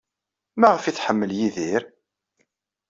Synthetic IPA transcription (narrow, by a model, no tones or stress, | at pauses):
maʁəfiθħəmːəljiðiɾ